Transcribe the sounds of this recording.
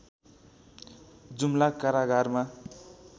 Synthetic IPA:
d͡zumlakaɾaɡʱarma

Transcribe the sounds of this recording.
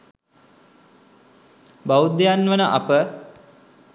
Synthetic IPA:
bawud̪ːejanːʋənəʔɐ̰pə

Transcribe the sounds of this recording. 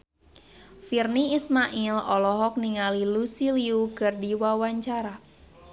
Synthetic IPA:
firniismaʔilɔlɔɦɔk̚niŋalilusiliukɨrdiwawaɲt͡ʃaɾa

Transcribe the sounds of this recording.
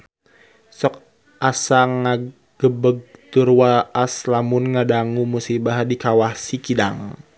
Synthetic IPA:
sɔk̚ | asaŋːa | ɡəbəɡ̚t̪urwaʔːslamunŋadaŋumusibahdikawahsikidaŋ

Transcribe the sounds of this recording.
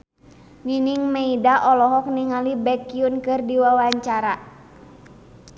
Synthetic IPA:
ŋiniŋmeidaʔɔlɔɦɔk̚niŋalibɛkiunkɨrdiwawaɲt͡ʃaɾa

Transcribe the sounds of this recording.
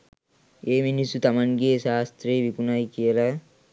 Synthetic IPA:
eːminisut̪ɐmɐnɡeːʃaːst̪ɾeːʋikunajkijɐla

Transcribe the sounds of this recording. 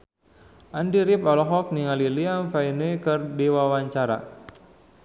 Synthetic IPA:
ʔandiɾipɔlɔɦɔk̚niŋalilianfainuikɨrdiwawaɲt͡ʃaɾa̰

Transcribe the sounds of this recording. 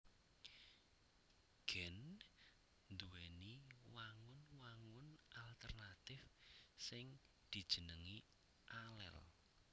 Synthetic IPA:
ɡ̥ɛn | nd̪uweniwaŋʊnwaŋʊnʔalt̪ərnat̪ɪfsɪŋ | d̪̥i̤d̥ʒ̥ə̤nəŋi | ʔalɛ̰l

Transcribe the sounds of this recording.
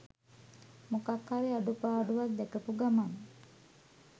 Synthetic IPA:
mukakhaɾiaɖupaːɖuʋat̪̚d̪ɛkəpuɡaman

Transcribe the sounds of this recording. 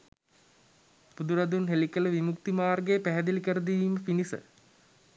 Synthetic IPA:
pud̪uɾɐd̪unɦelikələʋimukt̪imaːrɡejəpæɦæd̪ilikəɾəd̪iʋiːməpinisə̰

